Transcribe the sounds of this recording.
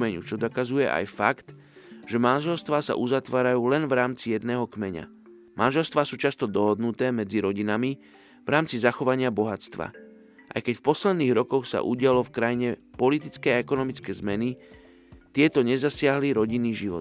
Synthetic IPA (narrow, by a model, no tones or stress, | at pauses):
mɛɲṵt͡ʃɔd̪ɔkazujɛʔa̰jfakt̪ | ʒ̥ɛmanʒɛlst̪ʋaːsa̰ʔuzat̪ʋaːɾajuːlɛnvɾaːmt͡sijɛd̪nɛːɦɔkmɛɲa̰ | mʔanʒɛlst̪ʋaːsuːt͡ʃast̪ɔd̪ɔɦɔd̪nut̪ɛːmɛd͡ziɾɔɟinami | vɾaːmt͡sizaxɔʋaɲɪabɔɦat͡st̪ʋa̰ | ʔa̰jkɛcfpɔslɛd̪niːɣɾɔkɔxsa̰ʔṵɟɪalɔfkɾajiɲɛpɔlit̪̬it͡skɛaɛkɔnɔmit͡skɛːzmɛni | t̪ɪɛt̪ɔɲɛzasɪaɦliɾɔɟinːiːʒiʋɔ̰t̪